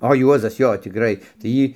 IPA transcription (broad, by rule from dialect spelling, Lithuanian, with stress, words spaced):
oː ˈjuɔzɐs ˈjoː tʲɪkˈrɐɪ tɐɪ ˈjiː